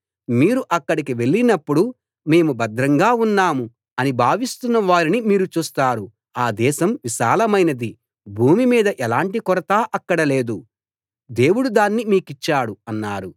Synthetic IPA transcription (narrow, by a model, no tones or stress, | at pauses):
miːɾuʔɐkːɐɽikiʋe̞ɭːinɐpːuɽu | me̞ːmubɐd̪ɾɐŋɡaːunːaːmu | ɐnibʱaːʋist̪unːɐʋaːɾinimiːɾut͡ʃuːst̪aːɾu | aːd̪ɛːʃɐmʋiʃaːlɐmɐjnɐd̪i | bʱuːmimiːd̪ɐʔɛlaːɳʈikɔɾɐt̪aːʔɐkːɐɽɐle̞ːd̪u | d̪e̞ːwuɽud̪aːnːimiːkit͡ʃːaːɽuɐnːaːɾu